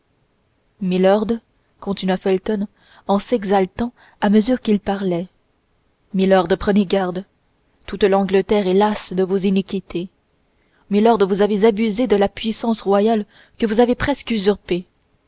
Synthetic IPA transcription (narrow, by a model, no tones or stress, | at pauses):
milɔʁd̪ | kʰɔ̃t̪inɥafɛlt̪ɔn | ɑ̃sɛɡzalt̪ɑ̃ | aməzyːʁkʲilpaʁlɛ | milɔʁd̪pχəneɡaʁd̪ | t̪ut̪lɑ̃ɡlət̪ɛʁɛlasd̪əvuzinikʲit̪ʰe | milɔʁd̪vuzavezabyzed̪əlapɥisɑ̃sʁwajal | kəvuzavepχɛskyzyʁpe